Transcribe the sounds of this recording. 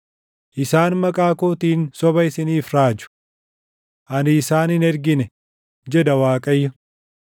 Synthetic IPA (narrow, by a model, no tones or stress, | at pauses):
ʔɪsaːnmɐkʼaːkoːt̪iːnsɔbɐɪsɪniːfɾaːd͡ʒʊ̥ | ʔɐnɪːsaːnɪnɛɾɡɪnɛ | d͡ʒɛd̪ɐwaːkʼɐjːɐ